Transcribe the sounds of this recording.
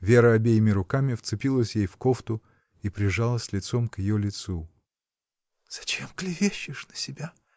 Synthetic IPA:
vʲe̞ɾəɐbʲejɪmʲɪɾʊkamʲɪft̪sɨpʲilˠəsʲjejfkoft̪ʊ | ipɾʲɪʐalˠəsʲlʲɪt̪so̞mkjɪjolʲɪt̪su | z̥ɐt͡ɕemklʲɪvʲeɕːɪʂnəsʲɪbʲa

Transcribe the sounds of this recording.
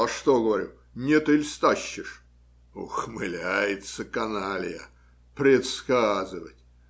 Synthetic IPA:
ɐʂt̪oɡəvɐɾʲṵ | nʲet̪ɪlʲst̪aɕːɪʂ | oxmɨlʲæjɪt̪səkɐnalʲɪjə̰ | pɾʲɪt̪skazɨvətʲ

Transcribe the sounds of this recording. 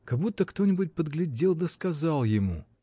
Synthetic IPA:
kɐɡbut̪ːəkt̪o̞nʲɪbʊt̚ʲpəd̪ɡlʲɪdʲelˠd̪əskɐzalˠjɪmṵ

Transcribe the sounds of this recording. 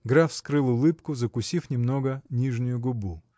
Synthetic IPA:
ɡɾafskɾɨlˠʊlˠɨpkʊzəkʊsʲifnʲɪmnoɡənʲiʐnʲʊjʊɡʊbu

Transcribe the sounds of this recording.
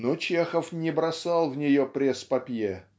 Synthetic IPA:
not͡ɕexəfnʲɪbɾɐsɑlˠvnʲɪjopɾʲespɐpʲje

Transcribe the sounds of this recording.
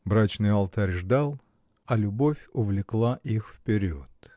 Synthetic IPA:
bɾat͡ɕnɨjɐlˠt̪aɾʲʐd̪alˠ | ɐlʲʊbofʲʊvlʲɪklˠaʔixfpʲɪɾʲioot̪

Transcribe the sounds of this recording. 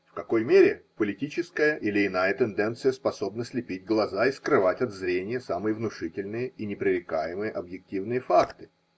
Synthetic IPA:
fkɐko̞jmʲeɾʲɪpəlʲɪtʲit͡ɕɪskəjəʔilʲɪɪnajət̪ɛnd̪ɛnt̪sɨjəspɐso̞bnəsʲlʲɪpʲitʲɡlˠɐzaɪskɾɨvatʲɐd̪zɾʲenʲɪjəsamɨjəvnʊʂɨtʲɪlʲnɨjəinʲɪpɾʲɪɾʲɪkajɪmɨjəʔɐbjɪk̚tʲivnɨjəfakt̪ɨ̥

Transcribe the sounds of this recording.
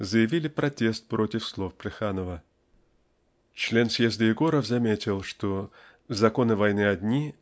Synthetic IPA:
zəjɪvʲilʲɪpɾɐtʲe̞st̪̚pɾo̞tʲɪfslˠo̞fplʲɪxanəvə | t͡ɕlʲe̞nsje̞zd̪əjɪɡo̞ɾəfzɐmʲetʲɪlˠʂt̪o̞ | zɐko̞nɨvɐjnɨɐdʲnʲi

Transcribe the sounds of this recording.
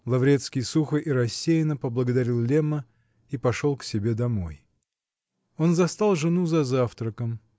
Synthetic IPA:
lˠɐvɾʲe̞t̪skʲɪjsuxəʔiɾɐsʲːejɪnəpəblˠəɡəd̪ɐɾʲilˠlʲemə | ipɐʂo̞lˠksʲɪbʲe̞d̪ɐmo̞j | o̞nzɐst̪alˠʐɨnuzɐzaft̪ɾəkəm

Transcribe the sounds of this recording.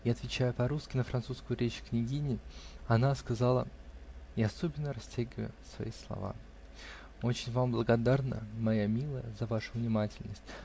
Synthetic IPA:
jaɐt̪vʲɪt͡ɕæjʊpɐɾuskʲɪnəfɾɐnt̪suskʊjʊɾʲet͡ɕknʲɪɡʲinʲɪɐnaskɐzalˠə̰ | ɪɐso̞bʲɪnːəɾɐsʲtʲæɡʲɪvəjʊsvɐ̰islˠɐ̰va̰ | o̞t͡ɕɪnʲvamblˠəɡɐd̪arnə̰mɐjamʲilˠəjəzɐvaʂʊvnʲɪmatʲɪlʲnəsʲtʲ

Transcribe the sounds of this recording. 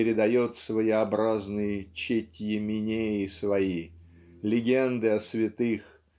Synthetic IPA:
ɪɾʲɪd̪ɐjo̞t̪svəjɪɐbɾaznɨjɪt͡ɕetʲjɪmʲɪnʲejɪsvɐi | lʲɪɡʲend̪ɨɐsvʲɪt̪ɨx

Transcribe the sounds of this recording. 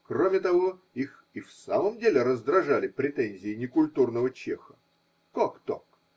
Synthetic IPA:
kromʲɪt̪ɐvo̞ | ix | ifsaməmdʲelʲɪɾəzd̪ɾɐʐalʲɪpɾʲɪt̪ɛnʲzʲɪːnʲɪkʊlʲt̪urnəvət͡ɕexə̥ | kokt̪ok

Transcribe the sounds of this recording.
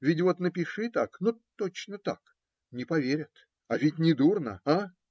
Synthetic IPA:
vʲɪtʲvo̞t̪nəpʲɪʂɨt̪aknot̪ot͡ɕnət̪a̰k | nʲɪpɐvʲeɾʲət̪ | avʲɪtʲnʲɪd̪urnə̰a

